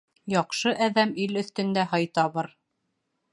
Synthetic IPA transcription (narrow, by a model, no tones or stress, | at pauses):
jɒqʃɤʔæðæmilɵ̆θt̪ɵ̆nd̪æɦɑjt̪ɑβɤɾ